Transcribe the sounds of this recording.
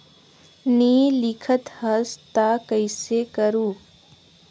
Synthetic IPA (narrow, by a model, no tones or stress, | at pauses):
niːlɪkʰət̪hɐst̪aːkəɪsekəɾuː